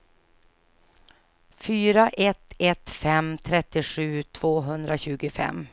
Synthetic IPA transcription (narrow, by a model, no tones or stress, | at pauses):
fyːɾaʔɛt̪ːɛt̪fɛmt̪ʰɾɛt̪ːɪɧʉ̟ːt̪ʰv̥oːɦɵnd̪ɾaɕʉ̟ːɡʊfɛ̰m